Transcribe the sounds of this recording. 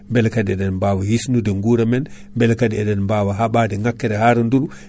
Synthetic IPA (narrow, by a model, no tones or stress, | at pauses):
mbɛlkadiɛɗɛnmbaːwahisnudɛŋɡuːɾamɛn | mbɛlkadiɛɗɛnmbawaɦaɓadɛŋakːɛɾɛhaːɾɔnduɾu